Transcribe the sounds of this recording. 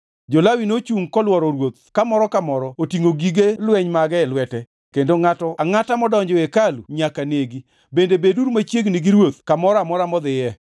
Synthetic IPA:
d͡ʒɔlawinot͡ʃuŋkɔlwɔɾɔɾwot̪̚kamɔɾɔkamɔɾɔotiŋoɡiɡelwɛɲmaɡɛɛlwɛtɛ | kendoŋatɔʔaŋatamɔdɔɲd͡ʒɔekaluɲakaneɡi | bendebeduɾmat͡ʃjeɡniɡiɾwot̪̚kamɔɾamɔɾamɔd̪ɪjɛ

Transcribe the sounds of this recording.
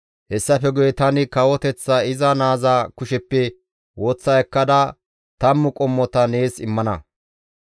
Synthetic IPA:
hɛsːɐfɛɡʊjɛt̪ɐnɪkɐwɔt̪ɛt͡sːɐɪzɐnaːzakʊʃɛpːɛ | woːt͡sːɐjɛkːɐd̪ɐ | t̪ɐmːʊkʼɔmːɔt̪ɐneːsɪmːɐnɐ̰

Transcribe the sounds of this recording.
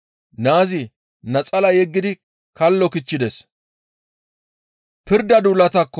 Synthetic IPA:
naːzɪ | nɐt͡sʼɐlɐjɛɡːɪd̪ɪ | kɐlːɔkɪt͡ʃːɪd̪ɛs | pɪɾd̪ɐd̪ulɐt̪ɐkːɔ

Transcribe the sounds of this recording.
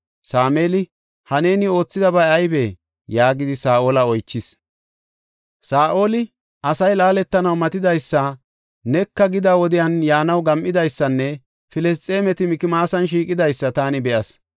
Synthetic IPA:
saːmeːlɪ | hɐne̞ːnɪo̞ːt͡sːɪd̪ɐbɐjɐjbe | jaːɡɪd̪ɪsaːʔoːlɐɔjt͡ʃːɪs | saːʔo̞ːlɪ | ʔɐsɐjlaːlɛt̪ːɐnɐwmɐt̪ɪd̪ɐjsːɐ | nɛkːɐɡɪd̪awɔd̪ɪjɐnjaːnɐwɡɐmʔɪd̪ɐjsːɐnːɛ | fɪlɛs̬t̪ʼːe̞ːmɛt̪ɪmɪkɪmaːsɐnʃ̬iːkʼɪd̪ɐjsːɐt̪aːnɪbɛʔɐs

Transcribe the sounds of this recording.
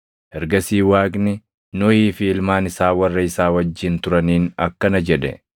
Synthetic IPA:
ʔɛɾɡɐsiːwaːɡnɪ | nɔiːfɪːlmaːnɪsaːwɐrːɐɪsaːwɐd͡ʒːɪnt̪ʊɾɐniːnɐ̰kːɐnɐd͡ʒɛᶑɛ̰

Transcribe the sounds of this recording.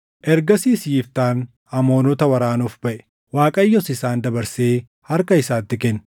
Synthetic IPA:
ʔɛɾɡɐsiːsjiːft̪aːn | hɐmo̞ːnɔt̪ɐwɐɾaːnuːfbɐʔɛ̥ | waːkʼɐjːɔsɪsaːnd̪ɐbɐɾseː | hɐɾkɐɪsaːt̪ːɪkɛnː

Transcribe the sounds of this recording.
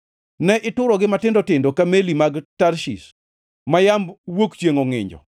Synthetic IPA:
nɛʔɪtʊɾɔɡɪmatɪndɔtɪndɔkamelimaɡtaɾʃḭs | majambwokt͡ʃjeŋoŋɪ̰ɲd͡ʒɔ̰

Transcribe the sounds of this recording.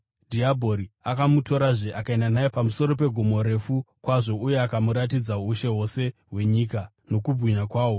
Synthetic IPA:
dʱiabʱo̞ɾiakamuto̞ɾaʐeʔakae̞ndanajepamuso̞ɾo̞p̬e̞ɡʱumo̞ɾe̞fukwaʐo̞uje̞akamuɾat̬id͡zauʃe̞ɦo̞se̞ɦwe̞ɲiːka | no̞kubʱɣiɲakwaːwo̞

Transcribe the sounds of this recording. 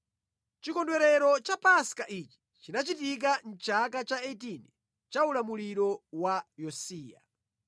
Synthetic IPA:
t͡ʃikɔndwɛɾɛɾɔt͡ʃapaskaʔit͡ʃi̥ | t͡ʃinat͡ʃit̬ik̬an̩t͡ʃakat͡ʃaɛt̬inɛ | t͡ʃaulamuliɾɔwajɔsiːja̰

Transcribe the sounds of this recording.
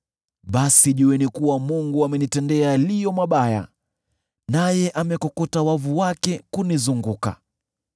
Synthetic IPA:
ɓasiʄuɛnikuwamuŋɡuamɛnitɛndɛalijɔmaɓaja̰ | najɛʔamɛkɔkɔtawavuwakɛkunizuŋɡuka̰

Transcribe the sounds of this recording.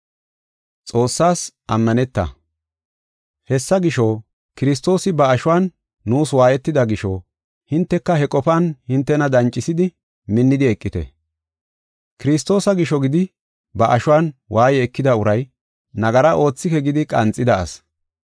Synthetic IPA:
t͡sʼo̞ːsːaːs | ɐmːɐnɛt̪ːɐ̰ | hɛsːɐɡɪʃoː | kɪɾɪs̬t̪o̞ːsɪbɐːʃʊwaːnː | uːswaːjɛt̪ːɪd̪ɐɡɪʃɔ | hɪnt̪ːɛkːɐhɛkʼɔpanhɪnt̪ːɛnɐd̪ɐnt͡ʃʼːɪsɪd̪ɪ | mɪnːɪd̪ɪɛkʼːɪt̪ɛ̰ | kɪɾɪst̪ːo̞ːsɐɡɪʃɔɡɪd̪ɪ | bɐʔɐʃʊwaːnwʔaːjɛɛkːɪd̪ɐʊɾɐj | nɐɡɐɾɐʔo̞ːt͡sːɪkɛɡɪd̪ɪkʼɐ̰nt͡sʼːɪd̪ɐɐ̰s

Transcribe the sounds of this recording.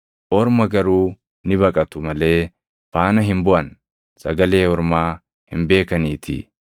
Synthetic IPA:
ʔɔɾmɐɡɐɾuː | nɪbɐkʼɐt̪ʊmɐle̞ː | faːnɐɦɪmbʊɐn | sɐ̰ɡɐle̞ːwɔɾmaː | hɪ̰mbe̞ːkɐniːt̪ʰḭː

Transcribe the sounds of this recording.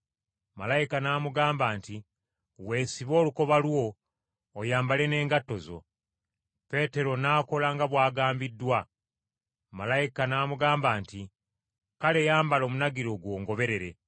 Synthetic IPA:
malajikanaːmuɡaːmbaːnti | we̞ːsiβo̞ːluko̞βalwo̞ː | jaːmbale̞ne̞ːŋɡatːo̞zo̞̰ | pe̞ːte̞ɾo̞naːko̞laŋɡaβwaːɡaːmbidːwa | malajikanaːmuɡaːmbaːnti | kale̞jaːmbalo̞ːmunaɡiɾo̞ɡwo̞ːŋɡo̞βe̞ɾe̞ɾe̞

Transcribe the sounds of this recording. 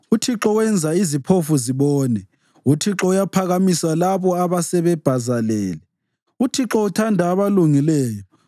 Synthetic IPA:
utʰiǁɔɣwɛnd͡zʱaizipʰofuziβɔːnɛ | utʰiǁɔujapʰaɣamisalaβɔaβasɛβɛb̥ʱazalɛːlɛ | utʰiǁɔutʰandʱaːβaluŋilɛːjɔ

